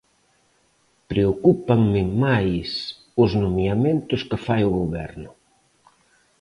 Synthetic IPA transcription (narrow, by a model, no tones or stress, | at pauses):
pɾeokupaŋmɪmajs | ʊznomjamẽnt̪ʊskɪfajʊɣoβɛ̰ɾnʊ